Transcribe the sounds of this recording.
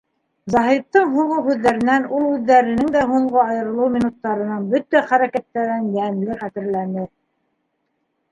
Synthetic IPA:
zɑɦip̚t̪ɤɴɦuʁɤwɦʉðːæɾɘ̆nænulˠhʉðːæɾɘ̆nɘŋd̪æɦuɴɢoɑjɤ̆ɾɤ̆lˠɤwmʲinut̪ːɑɾɤ̆nɤɴbɵt̪æχæɾækæt̪ːæɾænjænlɘχæt̪ɘ̆ɾlænɘ

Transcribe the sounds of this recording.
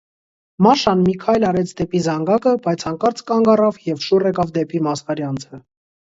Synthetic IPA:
mɑʃɑnmikʰɑjlɑɾɛt͡sʰd̪ɛpizɑŋɡɑkəbɑjt͡sʰɑŋkɑɾt͡sʰkɑŋɡɑrɑvjɛvʃurɛkɑvd̪ɛpimɑskɑɾjɑnt͡sʰə

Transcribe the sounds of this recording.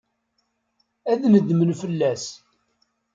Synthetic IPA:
æðnəd̪mənfəlːæs

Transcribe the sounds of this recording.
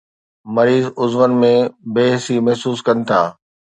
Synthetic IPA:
mɐɾiːzʊzʋənmẽbeːɦsimɐɦsuːskɐnɪ̆t̪ʰaː

